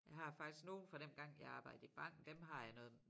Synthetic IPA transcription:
jɑ̈ɪɦɑ̈fɑ̈ɡ̥isɡ̥no̝ːn̩fɒɾ̥enɡ̥ɑ̈ŋ̰jɑ̈ɪɑ̈ːb̥ɑ̈ɪd̥̩ˠib̥ɑ̈ŋ̰ɡ̥d̥emɦɑ̈jɑ̈ɪnɔ̽ːð̩ˠ

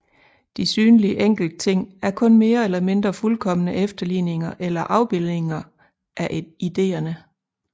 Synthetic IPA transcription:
d̥isyːnliəʔeŋ̰ɡ̥l̩d̥ət͡sʰe̝ŋ̰æɐkʰɔ̽nme̝ːɐelɐme̝nd̥ʁɐfulkʰɒ̽mənəʔefd̥ɐlḭːne̝ŋɐʔelɐʔɑ̈ʊb̥elˠne̝ŋɐ | ʔæʔid̥e̝̰ːɐnə

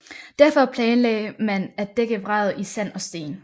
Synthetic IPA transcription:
d̥æɐfɒ̽pʰlɛːnlɛ̰ɪmænæ̥d̥eɡ̥əʋʁɑð̩ˠisæn̰ɒ̽sd̥e̝̰ːn

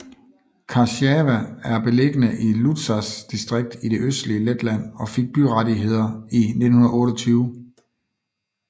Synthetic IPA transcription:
kʰɑ̈ɕɛʋææɐb̥e̝le̝ɡ̥ənəʔilu̥sæsd̥isd̥ʁeɡ̥̚d̥iɾ̥e̝ʔøsd̥liəled̥læn̰ɒ̽fe̝ɡ̥̚b̥yʁaɾiɦe̝ð̞̰ˠɐine̝d̥n̩hunɐɔ̽ːɾɒt͡sʰyːʊ

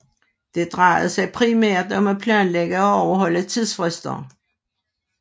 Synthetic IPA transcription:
d̥e̝d̥ʁɑ̈ɪ̰ð̩ˠsɑ̈ɪpʰʁimæɐ̰d̥ɒ̽mæpʰlænleɡ̥əɒɒʊɐɦɒ̽l̰ət͡sʰið̰ˠsfʁɛsd̥ɐ̰

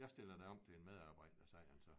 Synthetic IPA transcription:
jɑ̈ɪsd̥e̝lɐd̥æɒ̽m̰t͡sʰe̝enmeð̞ˠɑ̈ːb̥ɑ̈ɪ̰d̥ɐsɑɪælsɒ

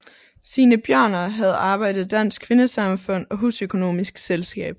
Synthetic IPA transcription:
siːnəb̥jɶɐ̰nɐɦæð̞̩ˠɑ̈ːb̥ɑ̈ɪ̰d̥ð̩ˠd̥æn̰sɡ̥kʰʋe̝nəsɑ̈mfɔ̽n̰ɒ̽ɦusøkʰo̝no̝̰ːmisɡ̥selsɡ̥ɛ̰ːb̥

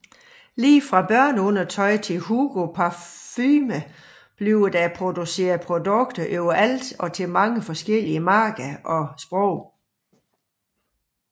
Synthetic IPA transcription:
liːfʁɑ̈b̥ɶɐ̰nɔ̽n̰ɐt͡sʰɒ̽ɪt͡sʰe̝lɦuɡ̥opʰɑ̈fyːmə | b̥liʊd̥æpʰʁo̝d̥use̝̰ːɐðˠpʰʁo̝d̥ɔ̽ɡ̥d̥ɐʔøʊ̰ɐʔæl̰d̥ɒ̽t͡sʰe̝lmɑ̈ŋəfɒ̽sɡ̥el̰iəmɑ̈ːɡ̥ɐʔɒ̽sb̥ʁɔʊ̰

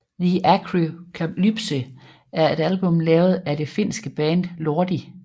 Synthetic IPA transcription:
ðiʔæɡʰʁikʰæ̥lyb̥sə | æɐe̝ɾ̥ælb̥ɔ̽mlɛːʊð̞̩ˠæd̥e̝fe̝n̰sɡ̥əb̥ɛːnd̥loɐd̥i

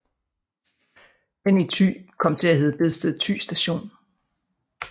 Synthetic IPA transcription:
henit͡sʰy̰ːkʰɒ̽m̰t͡sʰe̝læheːð̞̩ˠb̥e̝ðˠsd̥eð̩ˠt͡sʰy̰ːsd̥æɕo̝̰ːn

